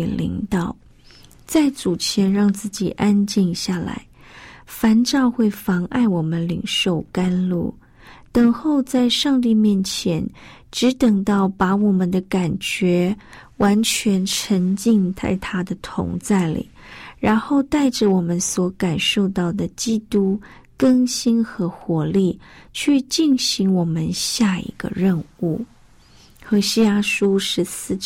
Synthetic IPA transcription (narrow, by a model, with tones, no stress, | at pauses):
lḭ˧˥ŋt̪ɑ˨˩ʊ | t͡sa˥˩ɪt͡su˨˩t͡ɕʰjɛ˧˥nɻɑ˥˧ŋt͡sɹ̩˥˩t͡ɕi˨˩ʔa˥nt͡ɕi˥˧nɕja˥˩la̰˧˥ɪfa˧˥nʈ͡ʂɑ˥˧ʊxwe˥˩ɪfɑ˧˥ŋʔa̰˥˩ɪwɔ˨˩mə˦nli˨˩ŋʂo˥˩ʊka˥nlṵ˥˩ | t̪ə˨˩ŋxo˥˧ʊt͡sa˥˧ɪʂɑ˥˧ŋt̪̬i˥˧mjɛ˥˩nt͡ɕʰjɛ˧˥n | ʈ͡ʂɻ̩˧˥t̪ə˨˩ŋt̪ɑ˥˩ʊpa˧˥wɔ˨˩mə˦nd̪ə˧ka˨˩nt͡ɕɥɛ˧˥ | wa˧˥nt͡ɕʰɥɛ˧˥nʈ͡ʂʰə˧˥ŋt͡ɕi˥˧ŋt̪ʰa̰˥˩ɪt̪ʰa˥d̪ə˨t̪ʰʊ̰˧˥ŋt͡sa˥˩ɪlḭ˨˩˦ɻa˧˥nxo˥˧ʊt̪a˥˩ɪʈ͡ʂə˨˩wɔ˨˩mə˦nswɔ˧˥ka˨˩nʂo˥˧ʊt̪ɑ˥˩ʊd̪ə˩t͡ɕi˥t̪u˥ | kə˥ŋɕi˥nxɤ˧˥xwɔ˧˥li˥˩t͡ɕʰy˥˧t͡ɕi˥˩nɕi˧˥ŋwɔ˨˩mə˦nɕja˥˩ḭ˧˥ɡ̥ə̰˧ɻə˥˧nu˥˩ | xɤ˧˥ɕi˥ja˥ʂu˥ʂɻ̩˧˥sɹ̩˥˩ʈ͡ʂ